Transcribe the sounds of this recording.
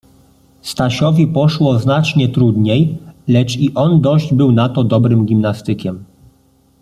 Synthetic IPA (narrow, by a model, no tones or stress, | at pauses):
st̪aɕɔvʲipɔʂwɔznat͡ʂɲɛt̪ɾud̪ɲejlɛt͡ʂiʔɔnd̪ɔʑd͡ʑbɘwnat̪ɔd̪ɔbɾɘmɡʲimnast̪ɘkʲɛm